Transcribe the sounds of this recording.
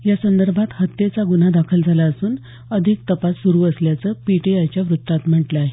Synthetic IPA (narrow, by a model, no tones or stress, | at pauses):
jasənd̪əɾbʱat̪hət̪ːet͡saɡunad̪akʰəld͡zʱalaəsuːn | əd̪ʱik̚t̪əpasːuɾuːəsljat͡səːpiʈeajt͡ɕjaʋɾut̪ːat̪m̤əʈlae